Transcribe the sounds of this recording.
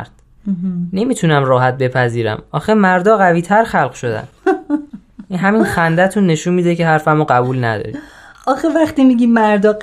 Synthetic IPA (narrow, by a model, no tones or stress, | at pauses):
ɾd̪̥ | ne̞miːt̪ʰunæmɾɒːɦæt̪̚be̞pʰæziːɾæ̰mɒːxemæɾd̪ɒːɣæviːt̪ʰæɾxælɢʃo̞d̪æ̰n | inɦæminxænd̪æt̪ʰunːe̞ʃunmiːd̪ecʰe̞hæɾfæmoɢæbuːlnæ̰d̪ɒ̰ɾiɒːxevæχt̪imiɡiːmæɾd̪ɒː